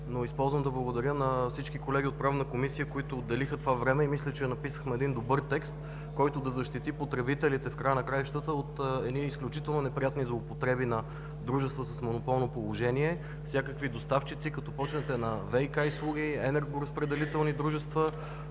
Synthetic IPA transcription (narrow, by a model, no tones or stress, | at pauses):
noispɔlˠzvəmd̪ɐblˠəɡod̪ɐɾʲjənɐfsit͡ʃkikolɛɡʲiot̪̚pɾavnəkomisijəkoit̪ʊːd̪ːɛlixət̪ovavɾɛmɛimislʲɛt͡ʃɛnɐpisə̥xmɛːd̪ind̪obɤɾt̪ɛkst̪ | kɔjt̪ʊd̪ɐzɐʃt̪it̪ipot̪ɾɛbit̪ɛlit̪ɛfkɾajənɐkɾajʃt̪ət̪əot̪ɛniːsklʲut͡ʃit̪ɛlˠnonɛpɾijat̪nizlˠoːpot̪ɾɛbinɐ | d̪ɾuʒɛst̪vəsəsmonopɔlˠnopolˠoʒɛniɛ | fsʲjakəkvid̪ost̪aft͡ʃit̪sikɐt̪ɔpɔt͡ʃnɛt̪ɛnɐvɛjkajslˠuɡ̟iɛnɛɾɡoɾəspɾɛd̪ɛlit̪ɛlˠnid̪ɾuʒɛst̪və